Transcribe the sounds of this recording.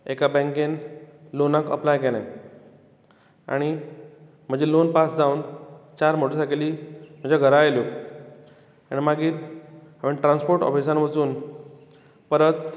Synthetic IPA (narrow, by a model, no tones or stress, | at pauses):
ekabɛ̃ŋkenlonakə̰plajkelã̰ | a̰ɽ̃i | m̤ə̃d͡ʑelonpasd͡zaunt͡ɕaɾmoʈesakeliːm̤ə̃d͡ʑaɡʱəɾaajljo | aɽ̃imaɡiːɾɦaʋeʈɾãnspoɾʈɔ̰fis̬ãnʋət͡suːn | pəɾət̪